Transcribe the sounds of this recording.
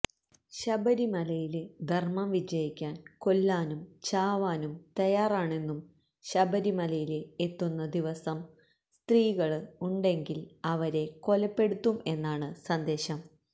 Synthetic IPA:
ɕɐbɐɾimɐlɐjiled̪ʱɐrmɐmʋid͡ʑɐjikʲːaːnko̞lːaːnumt͡ɕaːʋaːnumt̪ɐjaːraːɳe̞nːum | ɕɐbɐɾimɐlɐjileet̪ːunːɐd̪iʋɐsɐm | st̪riːɣɐɭɨuɳɖe̞ŋɡilɐʋɐɾe̞ko̞lɐpːe̞ɽut̪ːume̞nːaːɳɨsɐnd̪e̞ːɕɐm

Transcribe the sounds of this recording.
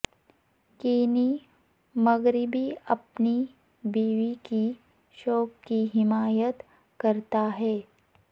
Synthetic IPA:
keːni | mɐɡɾɪbiɐpni | biːʋiki | ʃoːkːiɦɪmaːjət̪ | kɐɾt̪aɦɛː

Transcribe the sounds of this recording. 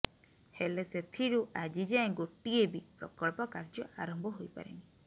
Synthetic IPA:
heleset̪ʰiɾuʔad͡ʒid͡ʒaẽɡoʈiebipɾɔ̰kɔɭpɔkaɾd͡ʒɔaɾɔmbʱɔɦojpa̰ɾḛni

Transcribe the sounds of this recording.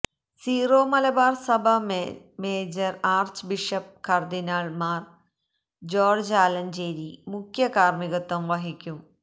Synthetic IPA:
siːroːmɐlɐbaːrsɐbʱɐ | meːd͡ʑɐraːrt͡ɕbiʂɐp̚kʰɐrd̪inaːɭmaːr | d͡ʑoːrd͡ʑaːlɐnd͡ʑeːɾimukʰjɐkaːrmiɣɐt̪ːɐmʋɐɦikʲːum

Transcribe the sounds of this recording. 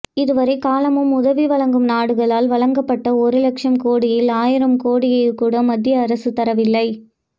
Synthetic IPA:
ɪðɯʋɐɾɐɪkaːlɐmɯmʊðɐʋiʋɐɭɐŋɡɯmnaːɽɯɣɐɭaːlʋɐɭɐŋɡɐpːɐʈːɐɔɾɯlɐkʂɐmkoːɽɪjɪlaːjɪɾɐmkoːɽɪjɐjɯkːuːɽɐmɐd̪ːjɐːɾɐsɯt̪ɐɾɐʋɪlːɐɪ

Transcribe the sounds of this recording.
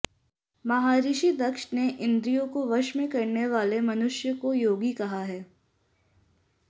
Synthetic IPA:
mɐɦaːɾiːʃid̪ɐkʃneʔɪ̃nd̪ɾijõkoʋɐʃmẽkɐɾneʋaːlemɐnʊʃjəkojoːɡikɐɦaɦɛː

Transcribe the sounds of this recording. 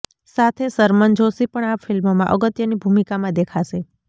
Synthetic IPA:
sat̪ʰesəɾmənd͡ʒʱosipəɳafɪlmmãʔəɡət̪jənibʱumikamãd̪ekʰaʃe

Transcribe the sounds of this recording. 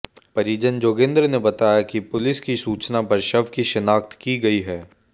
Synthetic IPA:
pɐɾiːd͡ʒənd͡ʒoːɡẽːnd̪ɾnebɐt̪aːjakipʊlɪskisuːt͡ʃnabɐɾʃɐʋkiʃɐnaːkt̪kiɡɐiɦɛː

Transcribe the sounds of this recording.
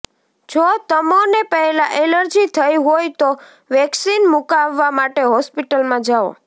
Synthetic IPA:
d͡ʒot̪əmonepəɦɛlãʔeləɾd͡ʒit̪ʰəjɦojt̪o | ʋɛksinmukaʋːamaʈeɦɔspiʈəlmãd͡ʒao̰

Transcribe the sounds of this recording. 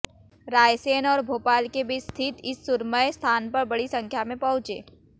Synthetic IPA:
ɾaːjseːnɔːɾbʱoːpaːlkebɪt͡ʃst̪ʰɪt̪ɪsːʊɾməest̪ʰaːnpɐɾbɐɽisɐ̃ŋkʰjamẽpɐɦʊ̃t͡ʃḛː

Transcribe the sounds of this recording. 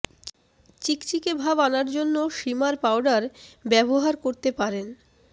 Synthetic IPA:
t͡ɕikt͡ɕikebʱabanaɾd͡ʑonːoʃimaɾpawɖaɾbɛboɦaɾkoɾt̪epaɾen

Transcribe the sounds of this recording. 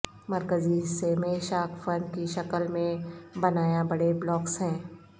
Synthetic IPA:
mɐɾkəziɦɪsːemẽʃaːkʰfəɾnɖkiʃɐkəlmẽbɐnaːjabɐɽeblɔːksɦɛ̃ː

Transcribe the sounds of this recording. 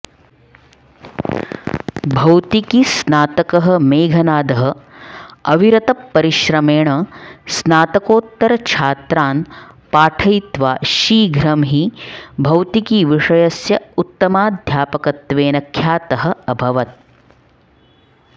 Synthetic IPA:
bʱɐwt̪ikisnaːt̪ɐkɐɦɐmeːɡʱɐnaːd̪ɐɦɐ | ɐʋiɾɐt̪ɐpːɐɾiʃɾɐmeːɳɐsnaːt̪ɐkoːt̪ːɐɾɐt͡ʃʰaːt̪ɾaːnpaːʈʰɐjt̪ʋaːʃiːɡʱɾɐmɦibʱɐwt̪ikiʋiʂɐjɐsjɐut̪ːɐmaːd̪ʱjaːpɐkɐt̪ʋeːnɐkʰːjaːt̪ɐɦɐ̆ɐbʱɐʋɐt̪̚

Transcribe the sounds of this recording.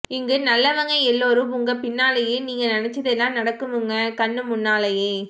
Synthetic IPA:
ɪŋɡɯnɐlːɐʋɐŋɡɐɛlːoːɾɯ̃ʊŋɡɐpɪnːaːlɐjeːniːŋɡɐnɪnɛt͡ʃːɐðɛlːãːnɐɽɐkːɯmɯŋɡɐkɐɳːɯmʊnːaːlɐjeː

